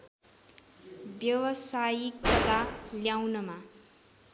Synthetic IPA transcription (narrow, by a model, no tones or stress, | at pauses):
bjʌwʌsajikʌt̪aljawnʌma